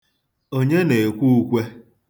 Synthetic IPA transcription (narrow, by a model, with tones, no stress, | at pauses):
o˦ɲe˦ne˨e˨kʷu˦u˦kʷe˦